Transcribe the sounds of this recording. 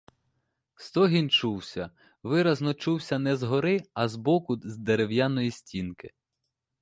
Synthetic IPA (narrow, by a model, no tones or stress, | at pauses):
st̪ɔɦʲint͡ʃuwsʲɐ | ʋɪɾɐznɔt͡ʃuwsʲɐnɛzɦɔɾɪɐzbɔkʊzd̪eɾewjanɔjisʲtʲinkɪ